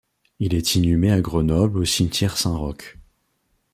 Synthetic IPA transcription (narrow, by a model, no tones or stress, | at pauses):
ilɛt̪ʰinymeaɡʁənɔblosint̪jɛʁsɛ̃ʁɔk